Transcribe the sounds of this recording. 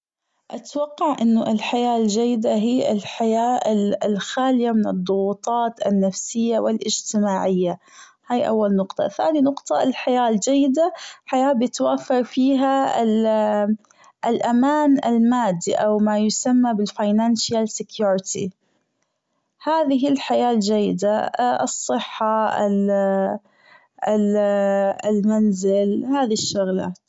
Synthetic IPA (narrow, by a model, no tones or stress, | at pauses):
ʔat̪wɑqːɑʕʔɪnːʊʔɪlħajaːld͡ʒajːɪd̪aɦiːʔɪ̰lħajaːlxaːlɪjamɪnɨd̪ˤːʊɣuːt̪ˤɑːt̪ɪ̰nːafsɪjːawɪlʔɪd͡ʒt̪ɪmaːʕɪjːa | haːjʔa̰wːalnʊqt̪ˤɑ̰θaːninʊqt̪ˤɑɪlħajaːld͡ʒajːɪd̪aħajaːbjɪt̪waːfːɑɾˤfiːɦa | ɪlʔamaːnɪ̰lmaːd̪ːiʔawmajʊsamːabɪlfajnanʃjalsɪkjuːɾɪt̪ḭ | haːðɪɦɪlħajaːld͡ʒajːɪd̪aʔɨsˤːɨħːaɪ̰ | ɪlmanzɪlhaːðiʃːʊɣla̰ːt̪